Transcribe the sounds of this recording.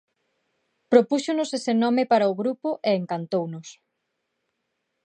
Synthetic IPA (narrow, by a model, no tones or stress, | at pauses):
pɾopuʃonʊsesenɔmepaɾɐʊɣɾupʊʔeeŋkant̪ownʊs